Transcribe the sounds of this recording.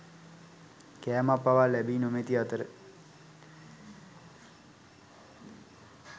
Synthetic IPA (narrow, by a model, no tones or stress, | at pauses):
kæːmapːaʋalɛbiːnomet̪iat̪əɾə